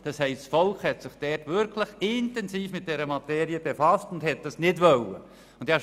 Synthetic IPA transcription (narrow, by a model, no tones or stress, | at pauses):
d̥ɑshɛɪstsfɔlkχhɛtsɪχd̥ɛtʋɪɾkʰləχɪntɛnsiːfmɪt̚d̥ɛɾəmɑteːɾiəbefɑstʊndhɛt̚d̥ɑsnɪdʋœlːə̰ | ʊnd̥ɑ